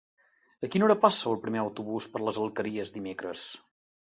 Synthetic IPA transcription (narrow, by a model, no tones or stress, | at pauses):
əkinoɾəpasəːlˠpɾimeəwt̪uβuspəɾləzəlˠkəɾiəzd̪imekɾə̰s